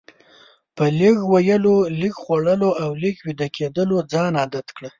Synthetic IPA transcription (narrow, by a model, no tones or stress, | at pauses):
pəliɡwajəlolikxwaɽəloawlɪkwid̪akʰed̪əlod͡zɑnɑd̪at̪kɽə